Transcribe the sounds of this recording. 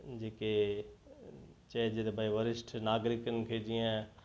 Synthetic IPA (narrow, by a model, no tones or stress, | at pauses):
d͡ʒeːke | t͡ʃɛːd͡ʒet̪bʱaiʋəɾɪsʈʰnaːɡɾɪkənɪ̆kʰed͡ʒiã